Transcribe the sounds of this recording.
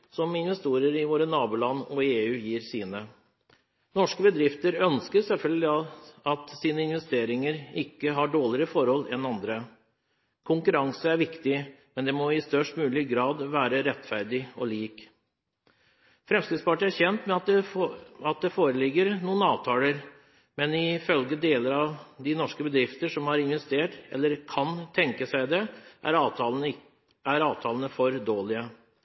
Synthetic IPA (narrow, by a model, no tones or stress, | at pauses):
sɔmɪnʋɛst̪uːɾəɾɪʋoːɾənɑːbʉːlɑnːɔeːʉːjiːɾsiːnə | nɔʂkəbəd̪ɾɪft̪əɾœnskəsɛlfœlɡ̪lɪɑt̪siːnəɪnʋɛst̪eːɾɪŋəɾɪkːəɦɑɖoːɭɪɾəfɔɾhɔlːɛnɑnd̪ɾə | kʰʊŋkʉɾɑŋsəæɾʋɪkt̪ɪmɛnd̪ɛmɔɪst̪œʂʈmʉːlɪɡɾɑːd̪ʋæːɾəɾɛt̪ːfæɾd̪ɪɔliːk | fɾɛmsk̪ɪd̪spɑʈəæɾçɛnt̪mɛ | ɑt̪̚d̪ɛfoːɾəlɪɡːəɾnuːənɑːʋt̪ʰɑːləɾ | mɛnɪfœlɡəd̪eːləɾɑʋd̪ɪnɔʂkəbəd̪ɾɪft̪əʂɔmhɑɾɪnʋɛst̪eːʈɛ̰lːəɾkʰɑnt̪ʰɛŋkəsæɪd̪ɛʔæ̰ɾɑːt̪ɑ | æɾɑːʋt̪ʰɑːlənəfɔɾd̪oːlɪə